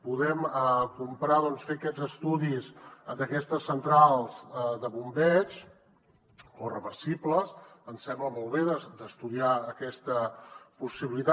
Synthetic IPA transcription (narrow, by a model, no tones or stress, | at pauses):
puðɛməkumpɾaðɔnsfeəkɛd͡zəst̪uðizd̪əkɛst̪əsənt̪ɾalˠz̥d̪əβumbɛt͡ʃ | orə̰βəɾsipləs | ənsɛmbləmɔlˠβeðəd̪əst̪uðiaəkɛst̪əpusiβilit̪a